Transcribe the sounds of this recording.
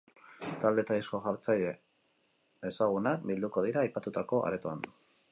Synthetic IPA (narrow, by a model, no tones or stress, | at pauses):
t̪ald̪e̞t̪aðisko̞ʝaɾt͡sajʎe̞ | esaɣ̞unakbild̪uko̞ð̞iɾaːjpat̪ut̪ako̞ʔa̰ɾe̞t̪oand̪u